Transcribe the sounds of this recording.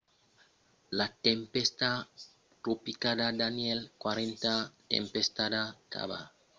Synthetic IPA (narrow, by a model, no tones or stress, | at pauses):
lat̪empest̪a | t̪ɾupikad̪ad̪anjelkwaɾent̪at̪ḛmpest̪adaka̰βa̰